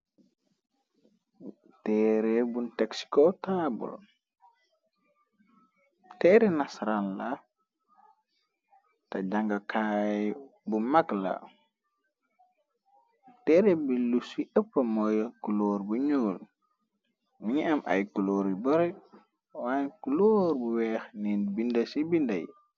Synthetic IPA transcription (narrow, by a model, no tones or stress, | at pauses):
tɛːɾɛbuntaksi̥kɔtabɔ̰l | tɛːɾɛnasɾalla | tad͡ʒaŋɡakʰajbumakla̰ | tɛɾɛbilusiʔɛpːamɔjkuloːɾbuɲoːl | miŋamʔa̰jkuloːɾibɔɾɛ | wakuloɾbuwɛxninbindasibinda̰j